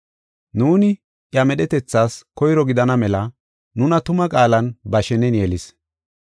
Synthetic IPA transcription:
nuːnɪ | ʔjɐmɛɗɛt̪ɛt͡sːaːskɔjɾɔɡɪd̪ɐnɐmɛlɐ | nʊnɐt̪ʊmɐkʼaːlɐnbɐʃɛnɛnjɛlɪs

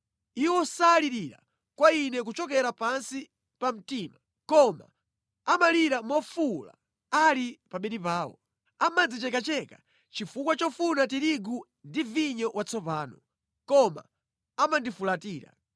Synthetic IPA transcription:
iwɔsaːliɾiɾa̰ | kwainɛk̬ut͡ʃɔkɛɾapansi | pam̩tiːma | kɔma̰ | amaliɾamɔfula̰ | alipaɓɛɗipaːwɔ̰ | amad͡zit͡ʃɛkat͡ʃɛka | t͡ʃifukwat͡ʃɔfunat̬iɾiɡu | ndiviɲɔwʔat͡sʰɔpaːnɔ | kɔma̰ | amandifulatiːɾa̰

